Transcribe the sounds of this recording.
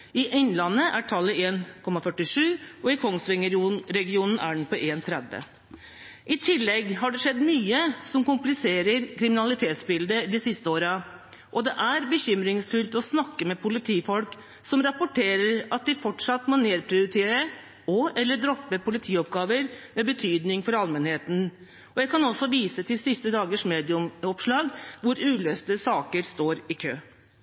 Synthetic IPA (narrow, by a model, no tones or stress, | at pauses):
ɪʔɪnːlɑnːəʔæʈʰɑlːəeːnkʰɔmɑfœʈːɪʂʉːɔɪkʰɔŋsʋɪŋəɾɛɡɪuːnn̩ʔæ̰ɖɳ̩pɔʔeːnt̪ʰɾɛd̪ʋə̰ | ʔɪt̪ʰɪlːɛɡɦɑɖɛʂɛd̪ːmyːəsɔmkʊmplɪseːɾəɾkʰɾɪmɪnɑlɪt̪ʰeːt̪sbɪld̪əd̪ɪsɪst̪əoːɾɑ | ʔɔd̪ɛʔæɾbəçʏmɾɪŋsfʏlt̪ɔsnɑkːəmɛpʰʊlɪt̪ʰiːfɔlk | sɔmɾɑpʊʈʰeːɾəɾɑt̪̚d̪ɪfɔʈʂɑt̪ːmɔneːɾpʰɾɪʊɾɪt̪ʰeːɾə | ɔɛlːəɖɾɔpːəpʰʊlɪt̪ʰiːɔp̚ɡɑːʋəɾmɛbət̪ʰyːd̪nɪŋfɔɾɑlmɛnheːt̪n̩ | ɔjæɪkʰɑnɔsːɔʋiːsət̪ʰɪlsɪst̪əd̪ɑːɡəʂmeːd̪ɪʊmɔpʂɭɑːɡʋʊɾʉːløːst̪əsɑːkəɾst̪oːɾɪkʰøː